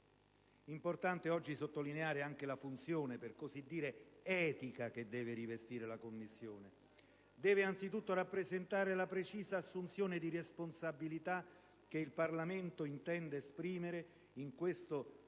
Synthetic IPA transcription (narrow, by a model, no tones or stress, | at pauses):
import̪ant̪eɔd͡ʒːisot̪ːolineaːɾeaŋk̟elafunt̪sjoːneperkozid̪ːiːɾeɛːt̪ikak̟ed̪ːɛːveɾivest̪iːɾelakomːisːjoːne | d̪ɛːveant̪sit̪ut̪ːoɾapːɾezent̪aːɾelapɾet͡ʃiːzaːsːunt̪sjoːned̪iresponsabːilit̪a | k̟ːeilparlament̪oint̪ɛnd̪eːspɾiːmeɾe | iŋkwest̪o